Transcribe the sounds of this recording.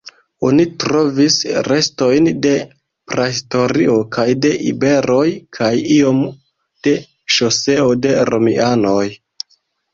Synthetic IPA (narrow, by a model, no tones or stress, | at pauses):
o̞nitɾo̞visɾe̞sto̞jnde̞ | pɾaisto̞ɾio̞kajde̞ʔḭbe̞ɾo̞jkʰajio̞m | d̥e̞ | ʃo̞se̞o̞de̞ɾo̞miano̞j